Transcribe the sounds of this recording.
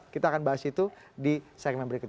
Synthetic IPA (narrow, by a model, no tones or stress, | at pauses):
kit̪aːkanbaɦasit̪u | disɛɡ̚mɛnbəɾikʊt̪̚